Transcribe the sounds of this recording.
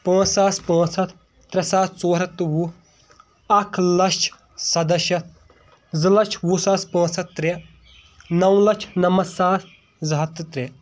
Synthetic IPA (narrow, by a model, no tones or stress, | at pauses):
pɐ̃ːt͡sːaːspɐ̃ːt͡sʰɐt̪ʰː | ɾɐsaːt̪̚ʰt͡soːɾɐt̪ːɨwu | ɐkʰlɐt͡ʃʰ | sɐd̪ɐʃɐt̪̚ʰ | zɨlɐt͡ʃʰwusaːspɐ̃ːt͡ssɐt̪̚ːɾe | nɐwlɐt͡ʃʰnɐmɐsaːt̪ʰ | zɐɦɐt̪ːɨt̪ɾe